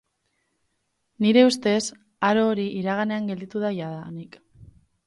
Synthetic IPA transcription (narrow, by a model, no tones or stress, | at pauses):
niɾe̞ust̪e̞s | aɾo̞ːɾiiɾaɣ̞ane̞aŋɡe̞ld̪it̪uð̞ajaðanik